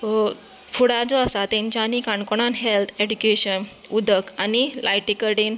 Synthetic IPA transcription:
fuɽad͡zɔəsat̪ẽɲt͡ɕjaːnikaɳkoɽ̃anɦelt̪ʰed͡ʑukeɕən | ud̪ʱəkanilʔajʈikəʈen

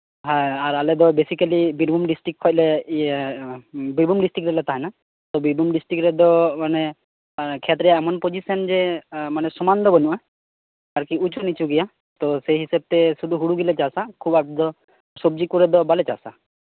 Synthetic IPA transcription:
ɦaaɾalɛd̪ɔbesikalibiɖbumɖisʈɾik̚ʰɔjclɛ | bibumɖisʈɾikɾɛlɛt̪aɦɛna | t̪ɔbiɾbʱumɖisʈɾikɾɛd̪ɔmane | kʰɛt̪ɾɛjaɛmɔnpod͡ʒisɔnd͡ʒemanɛsɔmand̪ɔbɔnuʔa | aɾkiut͡ʃʰɔnit͡ʃʰuɡija | t̪ɔseɦisab̚t̪ɛsud̪uɦuɽuɡilɛt͡ʃasakʰubapʈid̪ɔ | sɔb̚d͡ʒikuɾɛd̪ɔbalɛt͡ʃa̰sa

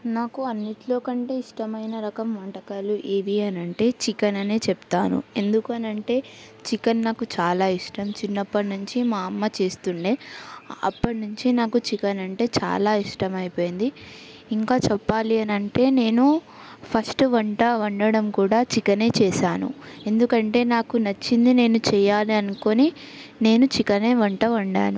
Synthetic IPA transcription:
naːkuɐnːiʈlo̞ːkɐɳʈe̞ːiʂʈɐmɐjnɐɾɐkɐmʋɐʈɐkaːluʔeːʋiɐnɐɳʈe̞ːt͡ʃikɐnɐneːt͡ʃɛpt̪aːnṵe̞nd̪ukuɐnɐɳʈe̞ː | t͡ʃikɐnːaːkut͡ʃaːlaːiʂʈɐmt͡ʃinːɐpːɐʈnuɲt͡ʃimaːɐmːɐt͡ʃe̞ːst̪uɳɖeːɐ̰pːɐʈnuɲt͡ʃinaːkut͡ʃikɐnɐɳʈe̞ːt͡ʃa̰ːlaːiʂʈɐmɐjipo̞ːjind̪i | iŋkaːt͡ʃɛpːaːliɐnɐɳʈe̞ːne̞ːnu | pʰɐsʈʋɐɳʈɐɐɳɖɐɽɐmkuːɽaːt͡ʃikɐne̞ːt͡ʃɛːʃaːnṵe̞nd̪ukɐɳʈe̞ːnaːkunɐt͡ʃːind̪ine̞ːnut͡ʃɛːjaːliɐnuko̞ni | ne̞ːnut͡ʃikɐne̞ːʋɐɳʈɐʋɐɳɖa̰ːnu

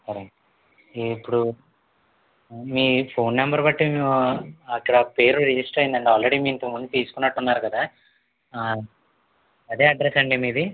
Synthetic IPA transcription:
sɐɾe | pːuɽu | miːpʰo̞ːnːɐmbɐɾbɐʈːemiːɐkːɐɽɐpe̞ːɾuɾid͡ʒisʈɾɐjind̪ɐɳʈeaːlɾeɽiːmiːint̪ɐmund̪ut̪iːsukunːɐʈːunːaːɾukɐd̪aː | ɐd̪e̞ːɐɖɾesɐɳɖimiːd̪i

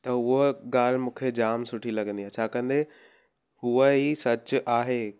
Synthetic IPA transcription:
t̪ɐʊɦoɡaːl̤mũːkʰed͡ʑaːmsʊʈʰilɐɡə̃nd̪ijãːt͡ɕʰaːkɐ̃nd̪e | ɦuəɦisɐt͡ɕʊʔaːɦeː

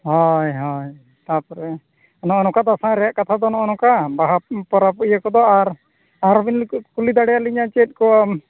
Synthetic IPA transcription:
hɔjɦɔj | t̪aɾpɔɾɛ | nɔʔɔnɔkad̪asãɾɛjaʔkat̪ʰad̪ɔnɔʔɔnɔkabaɦapɔɾapijakɔd̪ɔaɾ | aɾbinlkkulid̪aɽɛjaliɲat͡ʃɛt̪̚ˀkɔm

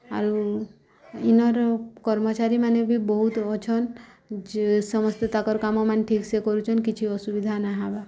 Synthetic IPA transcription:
a̰ɾu | inɔɾkɔɾmɔt͡ʃaɾimanebʱibɔɦut̪ɔt͡ʃʰɔn | sɔmɔst̪et̪akɔɾkamɔmanʈʰiksekɔɾut͡ʃʰɔnkit͡ʃʰiɔsubid̪ʱanaɦaba

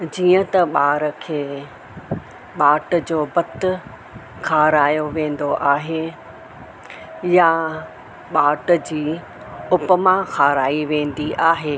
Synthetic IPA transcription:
d͡ʑiːə̃t̪ɐɓaːɾə̆kʰeː | ɓaːʈʊ̆d͡ʑoːbɐt̪ʊ | kʰaːɾaːjoʋẽːnd̪oʔaːɦe | ja | ɓaːʈə̆d͡ʑiː | ʊpəmãxʰaːɾaːiʋẽːn̆d̪iʔaːɦeː

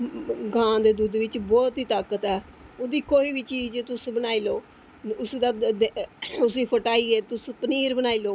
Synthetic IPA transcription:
ɡãːd̪eːd̪uːd̪ʋɪt͡ʃbɔːt̪ɦiːt̪aːkət̪ɛː | oːd̪iːkoːiːʋiːt͡ʃiːd͡ʒt̪ʊsbənaːiːloː | ʊsd̪aːd̪eʊsiːpʰəʈaːiːɛːt̪ʊspəniːɾbənaːiːloː

